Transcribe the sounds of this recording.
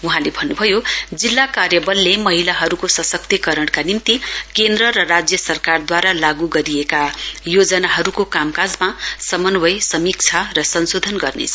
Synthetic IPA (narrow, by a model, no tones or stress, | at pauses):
uɦãlebʱʌnːubʱʌjod͡zilːakarjʌbʌlːemʌɦilaɦʌɾukosʌsʌk̚t̪ikʌɾʌɽkanimt̪ikend̪rʌɾʌrad͡zjʌsʌrkard̪waɾalaɡuɡʌɾiekajod͡zʌnaɦʌɾukokamkad͡zmasʌmʌnwʱʌjsʌmik̚t͡sʰʌrʌsʌnsod̪ʱʌnɡʌrnḛt͡sʰʌ